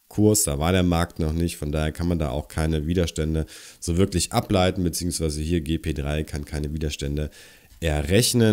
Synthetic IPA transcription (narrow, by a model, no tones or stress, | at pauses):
kʰʊɐsd̥aːvaːɐɾeːɐmaɐk̚tnɔχnɪçtfɔndaːheːɐkʰanmanda̰ːʔaʊxkʰaɪnəviːdɐʃtɛndəz̥oːvɪɐklɪçʔaplaɪtn̩bət͡siːʊŋsv̥aɪzəhiːɐɡeːpʰeːdʁaɪkʰankʰaɪnəviːdɐʃtɛndə | ʔɛɐʁɛçnə